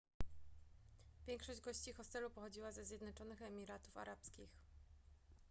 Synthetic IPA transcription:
vʲjɛŋkʂɔʑd͡ʑɡɔɕt͡ɕixɔst̪ɛlupɔxɔd͡ʑiwazɛzʲjɛd̪nɔt͡ʂɔnɘxɛmʲiɾat̪ufa̰ɾʔapskʲix

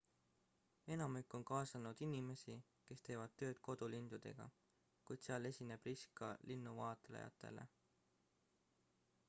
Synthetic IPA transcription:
e̞nɑmikːˑo̞nkɑːsɑnud̪̥inime̞si | ke̞st̪e̞ːvɑd̪̥̚t̪ːø̞ːd̪̥̚ko̞d̪̥ulind̪̥ud̪̥e̞ɡ̥ɑ̰ | kujd̪̥seɑle̞sʲine̞b̥riskɑlinːuvɑːt̪ˑlḛjɑ̰t̪ːˑe̞̰lḛ

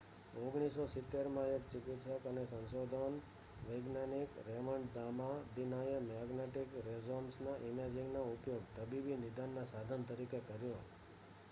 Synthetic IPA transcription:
oɡɽ̃isosɪt̪ːeɾmãekt͡ʃɪkɪt̪ʃəkənesə̃nsod̪ʱən | ʋəɡnanikɾɛməɳɖd̪amad̪inajəmaɡneʈikɾezonsnaʔɪmed͡ʒɪŋɡnoupjoɡt̪əbibinɪd̪anːãsad̪ʱənt̪əɾikekəɾjo

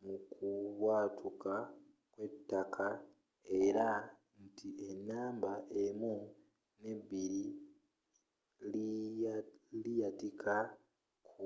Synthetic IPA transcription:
mukuβwaːtuka | kwe̞tːakʰa | e̞ɾa | ntʰiʔenːaːmbaʔe̞mu | ne̞βiɾi | l | lijatikʰa | kʰu

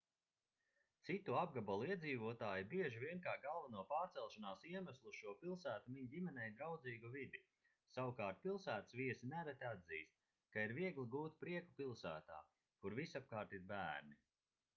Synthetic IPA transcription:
t̪sit̪uab̚ɡabɔlˠiɛd̪ziːvuɔt̪aːjibiɛʒivʲiɛnkaːɡalˠvanuɔpaːɾtsɛlˠʃanaːsiɛmæslˠuʃuɔpilˠsæːt̪umiɲdʲimɛnʲɛjd̪ɾawd̪ziːɡuvid̪i | sawukaːɾt̪̚pilˠsæːt̪sviɛsinæɾɛt̪ʲad̪ziːst̪̚ | kaiɾviɛɡlˠiɡuːt̪pɾiɛkupilˠsæːt̪a̰ː | kuɾvisap̚kaːɾt̪iɾbæːɾni

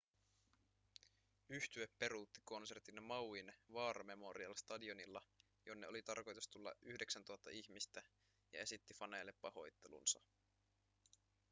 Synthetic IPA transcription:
yht̪yepːe̞ɾut̪ːi̥ko̞nse̞rt̪inmɑwinʋɑːɾɑme̞mo̞ɾiɑlst̪ɑdio̞nilːɑ | jonːḛo̞lit̪ɑrko̞jt̪ust̪ulːɑ̰ʔyhde̞ksænt̪uɑt̪ːɑ̰içmist̪æ | jɑ̰e̞sit̪ːifɑnejlːepːɑho̞jt̪ːe̞lṵnsɑ̰

